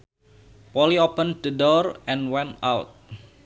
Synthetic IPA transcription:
pɔliopənd̪ədɔrʔɛ̃nwɛ̃ntawt̪̚

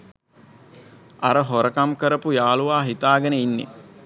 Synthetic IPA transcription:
aɾəɦoɾəkamkəɾəpujaːluʋaːɦit̪aːɡənəinːḛ

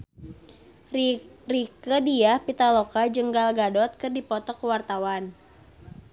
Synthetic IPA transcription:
rikədiahpit̪alɔkad͡ʒəŋɡalɡadɔt̪̚kɨrdipɔt̪ɔkəwart̪awan

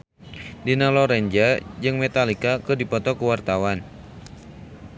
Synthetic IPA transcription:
dinalɔɾɛɲd͡ʒad͡ʒɨŋmɛt̪alikakɨdipɔt̪ɔkuwart̪awan

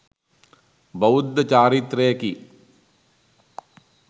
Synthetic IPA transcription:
bɐud̪ːɐt͡ʃaːɾit̪ɾeːɐki

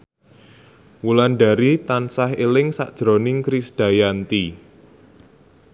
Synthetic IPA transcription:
wulanɖaɾit̪ansaɦelɪŋsa̰ʔd̥ʒ̥ɾonɪŋkɾisd̥a̤jant̪i

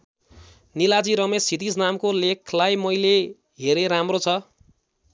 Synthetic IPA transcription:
nilad͡ziɾʌmesit̪isnamkolekʰlajmʌjle | ɦeɾeɾamrot͡sʰʌ

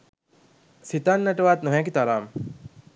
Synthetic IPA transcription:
sit̪aːnːɐʈəʋaːt̪nuɦækit̪aɾaːm

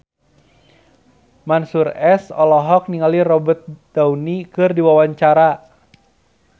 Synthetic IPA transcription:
mansurɛsɔlɔɦɔk̚niŋalirɔbət̪̚d̥aunikɨrdiwawaɲt͡ʃaɾa

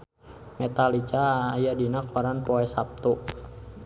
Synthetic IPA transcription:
mɛt̪alit͡ʃaːjadinakɔɾanpɔɛsap̚t̪u

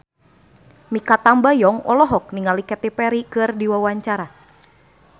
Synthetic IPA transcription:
mikat̪ambajɔŋɔ̰lɔɦɔk̚niŋalikɛt̪ɛpɛɾikɨrdiwawaɲt͡ʃaɾa

